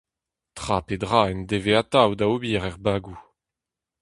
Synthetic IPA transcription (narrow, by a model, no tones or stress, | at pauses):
t̪χapedʁaːɛnd̪eveat̪awd̪aobiːʁɛʁbaːɡu